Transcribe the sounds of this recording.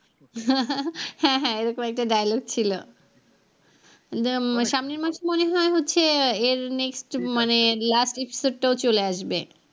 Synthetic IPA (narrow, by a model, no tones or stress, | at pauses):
hɛ̃ɦɛ̃eɾɔkomɛk̚ʈaɖajaloɡ̚t͡ɕʰilo | ʃamniɾmaʃemoneɦɔeɦotːɕʰeeɾneksʈmanelasʈepi̥soɖ̚ʈaot͡ɕoleaʃbe